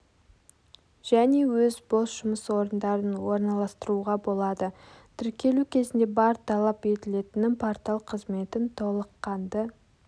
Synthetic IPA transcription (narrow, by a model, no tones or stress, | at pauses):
ʒ̥æne̞wɵzbo̞sʒ̥ʊməswo̞ɾənd̪ɑɾənwo̞ɾnɑlˠɑst̪əɾuʁɑbo̞lˠɑd̪ə | t̪ʰʏɾkʲe̞lukʲʰe̞zɪnd̪e̞bɑɾt̪ʰɑlˠɑpe̞t̪ɪle̞t̪ɪnɪŋpʰoɾt̪ɑlˠqʰəzme̞t̪ɪnt̪ʰo̞lˠəqːɑnd̪ə